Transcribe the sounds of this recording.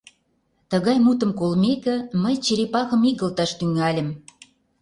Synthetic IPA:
t̪ə̆ɣɑjmut̪ə̆mkolmekə̆məjt͡ɕeɾepɑɣə̆miɣə̆lt̪ɑʃt̪yŋælʲə̆m

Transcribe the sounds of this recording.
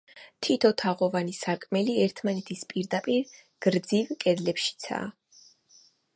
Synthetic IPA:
t̪ʰit̪ʰɔt̪ʰaʁɔvanisaɾkʼmɛliɛɾt̪ʰmanɛt̪ʰispʼiɾd̪apʼiɾ | ɡ̥ɾd̪zivkʼɛd̪lɛpʃi̥t̪sʰa̰ː

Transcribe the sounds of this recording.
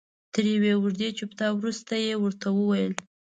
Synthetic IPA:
t̪əɾjawewʊʐd̪et͡ʃupt̪ɑwɾust̪ajewəɾt̪ʰawəwajəl

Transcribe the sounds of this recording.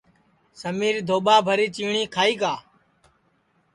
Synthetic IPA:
səmiːɾd̪ʱoːɓaːbʱəɾiːt͡ʃiːɳ̃iːkʰaːiːkaː

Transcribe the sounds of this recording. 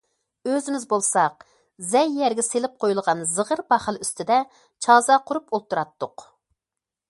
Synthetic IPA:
øzɪmɪzbolˠsɑq | zɛjːæɾɡʲɛselɪp̚qʰojulˠʁɑnzəʁəɾbɑχælˠyst̪ʰɪd̪ɛ | t͡ʃʰɑzɑqʰʊɾupolˠt̪ːuɾɑt̪ːʊq

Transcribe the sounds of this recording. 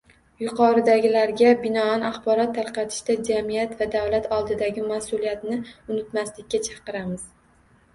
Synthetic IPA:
jʊqʰɒɾɪd̪aɡʲɪlaɾɡʲabɪnɒanaχbɒɾɒt̪ʰːaɾqɑt̪ʰɪ̥ʃt̪ad͡ʒamijat̪vad̪awlat̪ʰɒlˠd̪ɪd̪aɡʲɪmasʊlijat̪nɪʊnɪt̪maslɪkʲːat͡ʃʰɑqɨɾamɪz̥

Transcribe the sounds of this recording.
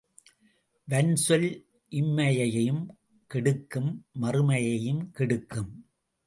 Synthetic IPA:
ʋɐnsɔl | ʔɪmːɐjɐjɐjɯm | kɪɽɯkːɯmːɐrɯmɐjɐjɯmkɪɽɯkːɯm

